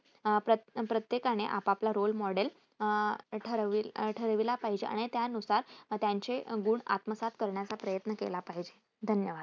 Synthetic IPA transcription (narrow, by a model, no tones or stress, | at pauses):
pɾəpɾət̪jekaɽ̃eʔapaplaɾolmɔɽel | ʈʰəɾʋiʈʰəɾʋilapaɦid͡ʑeʔa̰ɽ̃it̪janusaɾt̪jaɲt͡ɕeɡuːɳa̰t̪məsat̪kəɾɳjat͡sapɾəjət̪nəkḛlapaɦid͡ʑe | d̪ʱənjəʋad̪